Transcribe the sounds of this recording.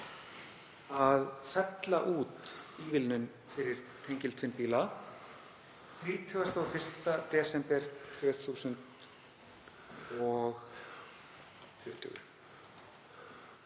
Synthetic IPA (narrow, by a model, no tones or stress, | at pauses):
aðfɛt̪la̰ʔuːt̪iːvɪlnʏn | fɪɾɪɾ̥t̪ʰejɲcɪlt̪ʰfɪnpiːla | θɾiːt̪ʰʏɣast̪awfɪr̥st̪at̪ɛːsɛmpɛɾ̥t̪ʰvœːθuːsʏnt̪ | ɔɣ | fʏft̪ʰʏ̰ɣʏ̰ɾ